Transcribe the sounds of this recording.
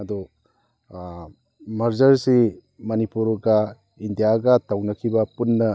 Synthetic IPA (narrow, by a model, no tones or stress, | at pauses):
ɐd̪u | mɐɾd͡ʒɐɾsi | mɐnipuɾɡɐ | indijaɡɐtɐwnɐkʰibɐpunːɐ